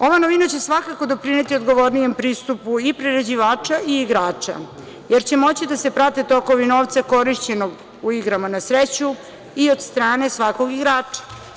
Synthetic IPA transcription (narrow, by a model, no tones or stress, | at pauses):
o̞ʋanoʋinat͡ɕe̞sʋakako̞d̪o̞pɾine̞t̪io̞d̪ɡo̞ʋo̞ɾnije̞mpɾist̪upuipɾeɾed͡ʑiʋaːt͡ʂaiːɡɾaːt͡ʂa̰ | jeɾt͡ɕe̞mo̞t͡ɕid̪ase̞pɾat̪et̪o̞ko̞ʋinoʋt̪sako̞ɾiʃt͡ɕe̞noɡ | uiɡɾamanasɾet͡ɕu | io̞d̪st̪ɾaːne̞sʋako̞ɡiɡɾaːt͡ʂḁ